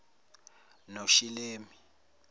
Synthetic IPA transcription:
noʃileːmi

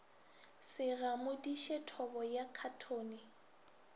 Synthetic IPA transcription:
sɪɣamʊdiʃɛtʰɔbɔjakʰatʰoːnɪ

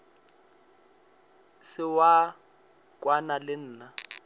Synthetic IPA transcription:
sɪwa | kʼwanalɪn̩ːna

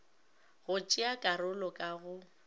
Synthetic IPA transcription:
ɣʊt͡ʃʼɪakʼaɾʊlɔkʼaɣʊ

